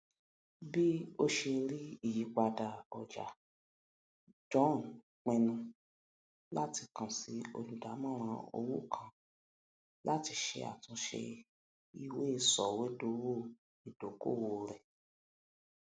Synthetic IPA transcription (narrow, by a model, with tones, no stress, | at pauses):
bi˦o˦ʃe˧ɾi˦i˦˨ji˨˦k͡pa˧da˨ɔ˨d͡ʒa̰˨ | d͡ʒɔ̃˦˨n˨ | k͡pɛ̃˧nũ˧ | la˦ti˧kã˨si˨˦o˧lu˨da˨˦mã˦ɾ̃ã˧o̰˧wu˦kʰã˦˨ | la˦ti˧ʃḛ˧a̰˨tũ˧˦ʃḛ˧ | i˨we˦˧˨sɔ˨we˨˦do˧˦wo˦˨ | i˨d̥o˨˦ko̰˦˨wo˧ɾɛ˨